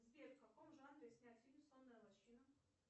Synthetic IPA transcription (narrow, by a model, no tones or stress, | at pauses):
zbʲetfkɐkomʐanɾʲɪsʲnʲat̪ʲfʲilʲmsˠonːəjəlˠɐɕinə